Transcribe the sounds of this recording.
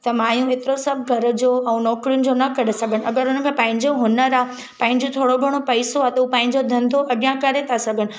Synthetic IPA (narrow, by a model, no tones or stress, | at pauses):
t̪ɐmãːjũeːt̪ɪɾosɐbʱɡʱɐɾd͡ʑoːɛ̃ːnɔːkɾijʊnɪ̆d͡ʑonɐkɐɾesɐɡʱəɽɪ̆ɐɡəɾʊnə̆kʰẽːpɐ̃ːɦɪ̃ɲd͡ʑoɦʊnəɾaː | pãɦɪ̃ɲ̆d͡ʑot̪ʰoːɽobʱɐɽ̃opɐɪsoat̪ɐupãːɪ̃ɲd͡ʑod̪ʱɐ̃nd̪ʱoʔɐɗijãkɐɾet̪ʰasɐɡʱəɽ̃ɪ̆